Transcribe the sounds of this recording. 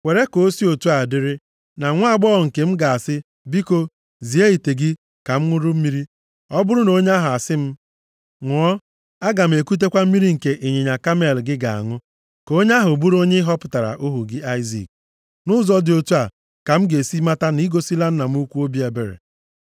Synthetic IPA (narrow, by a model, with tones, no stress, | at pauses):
we˨ɾe˦ko˨˦si˦o˨tu˦a˨dɪ˦ɾɪ˦ | na˨ŋʷʊ˦a˦˨ɡ͡bɔ˦ɔ˨ŋ̩˨ke˨m̩˦ɡa˨a˨sɪ˦ | bi˦ko˦ | zi˨e˦i˨te˨ɡɪ˦ | ka˨m̩˦ŋʷʊ˦ɾʊ˦m̩˦mi˦ɾi˦ | ɔ˦bʊ˦ɾʊ˦no˦ɲe˦a˦ɦʊ˨a˨sɪ˦m̩˦ | ŋʷʊ˨ɔ˦ | a˦ɡa˨m̩˨e˨ku˦t̬e˦kʷa˦m̩˦mi˦ɾi˦ŋ̩˨ke˨ʔi˨ɲe˨ɲa˨ka˦me˨lɡɪ˦ɡa˨a̰˨ŋʊ˦ | ko˦ɲe˦a˦ɦʊ˨bu˦ɾo˦ɲe˦ɦɔ˦pʊ̥˨ta˨ɾa̰˨ʔʊ˦ɦu˨ɡɪ˦a˦ɪ˦zḭ˨k̚ | nʊ˦zɔ˦dɪ˨o˨tu˦a˨ | ka˨m̩˦ɡe˨si˦ma˦ta˦ni˦ɡo˨si˦la˦n̩˦na˨m̩˦u˦kʷu˦o˦bi˦e˨be˨ɾḛ˨